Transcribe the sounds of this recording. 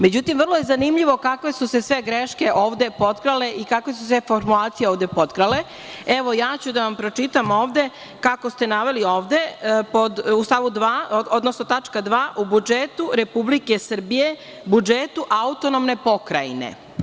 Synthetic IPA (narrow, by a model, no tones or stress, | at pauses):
med͡ʑut̪imvr̩lˠojezanimʎiʋo̞kakʋe̞suse̞sʋe̞ɡɾeʃke̞ʔoːʋd̪e̞po̞t̪kɾale̞ʔikakʋe̞susʋe̞foɾmulaːt̪sijeoːʋd̪e̞po̞t̪kɾale̞ | eʋo̞jaːt͡ɕud̪aʋampɾo̞t͡ʂit̪amo̞ːʋd̪e̞ | kako̞st̪e̞naʋe̞lio̞ːʋd̪epo̞d̪ust̪aʋud̪ʋaːod̪nosnot̪at͡ʂkad̪ʋaːʔubud͡ʒet̪uɾe̞publike̞sr̩bije̞ | bud͡ʒet̪uʔaut̪o̞nomne̞po̞kɾa̰jinḛ